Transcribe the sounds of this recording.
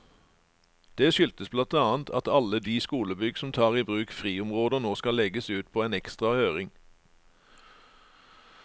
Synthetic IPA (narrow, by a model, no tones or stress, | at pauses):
d̪̥eːʃʏlt̪əsblɑnt̪ɑːənt̪ʰɑt̪ɑləd̪iːskuːləbʏɡsɔm̩t̪ʰɑːʁiːbʁʉːkfʁiːʊmʁoːd̪əʁnoːskɑlɛɡəsʉːt̪̚pʰoːeːnɛkst̪ʁɑhøːʁɪŋ